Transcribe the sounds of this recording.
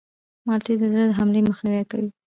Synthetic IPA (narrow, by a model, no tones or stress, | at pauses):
mɑlt̪ed̪əzɽəd̪əɦamleməxniwɛkawi